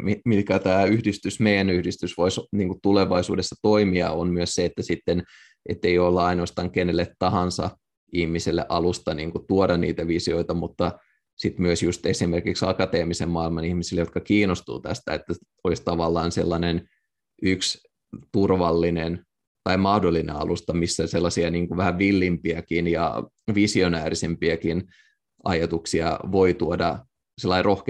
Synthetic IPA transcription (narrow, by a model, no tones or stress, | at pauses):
mimit̪kæt̪æːyhdist̪ysmeijˑænyhdist̪ysʋoisniːŋkut̪uleʋɑisuːdesːɑt̪oimiɑ̰onmyøsseet̪ːæsit̪ːen | ʔḛt̪ːeijolːuɑinoːst̪ɑːŋkenelːet̪tɑhɑnsɑ̰ | ihmiselːḛʔɑlust̪ɑniːŋkut̪uodɑnnḭːt̪æʋisioit̪ɑmut̪ːɑ | sit̪myøsjust̪esimerkiksɑ̰kɑt̪eːmisemmɑilmɑnihmisilejot̪̚kɑkiːnost̪ṵːt̪æ̰st̪æ̰et̪ːæ | olist̪ɑʋɑlːɑːnselːɑnen | yks | t̪urʋɑlːinen | t̪ɑimɑhdolːinḛɑ̰lust̪ɑmisːæselːɑsiɑniːŋkuʋæhæʋʋilːimpiækinjɑ̰ | ʋisionæːrisempiækin | ʔɑ̰jɑt̪uksiɑ̰ʋoit̪uodɑ | selːɑirʔohk